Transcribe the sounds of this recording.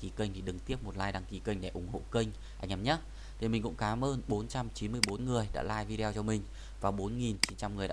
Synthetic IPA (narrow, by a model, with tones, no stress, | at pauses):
ki˨˦kə˧jŋ̟t̪ʰi˨˩ɗɨ˨˩ŋt̪i˦˥əp̚mo˨˩t̚la̰ː˧˨jɗaː˨˧ŋki˨˦kə˧jŋ̟ɗḛ˧˨ʔʊ˨˧˩ŋ͡mho̰˧˨kə˧ŋ̟ | ʔa̰˧jŋ̟ʔa˨˧˩mɲə˦˥t̚ | t̪ʰi˨˩mï˨˩ŋ̟kʊ̰˧˥ŋ͡mkaː˨˦mʔəː˧nɓo˨˦nt͡ɕa˧mt͡ɕi˨˦nmɨ˧əjɓo˨˦nŋɨ˨˩əjɗa̰ː˧˥laː˧jvi˧ɗe˧wt͡ɕɔ˧mï˨˩ŋ̟ | vaː˨˩ɓo˨˦nŋi˨˩nt͡ɕi˨˦nt͡ɕa˧mŋɨ˨˩əjɗ̰a̰˧